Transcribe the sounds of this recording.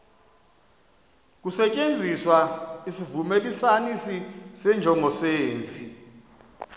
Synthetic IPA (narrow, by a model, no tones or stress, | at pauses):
k̬usɛt͡ʃʼend͡zʱiswaisivumelisanisisɛnd͡ʒʱɔŋʱɔseːnt͡sʰʼi